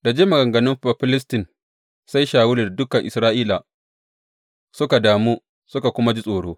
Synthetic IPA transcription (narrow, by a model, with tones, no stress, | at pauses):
da˨d͡ʒeː˦mɐ˨ɡɐ˨ŋɡɐ˨nɪ˦mɸa˨ɸɪ˦lɪ˦stɪ˨n | sa˦jʃaː˨wʊ˦lɪ˨rdʊ˦kɐ˨ŋʔɪ̰˨sɾaː˦ʔiː˦la˨ | sʊ˦ka˨daː˨muː˦ | sʊ˦ka˨kʷʊ˦ma˦d͡ʒi˦sʼoː˨ɽoː˦